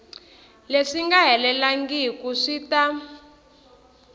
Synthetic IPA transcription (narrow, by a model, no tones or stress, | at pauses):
leʂiŋɡaɦɛlɛlaŋɡikuʂita